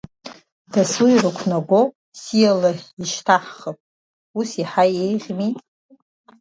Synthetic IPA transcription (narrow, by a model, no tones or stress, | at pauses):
d̥asujrɨkʷʰnaɡʷo | sijalaiʃtʰaħχəpʼ | usiħajejʁʲmitʼ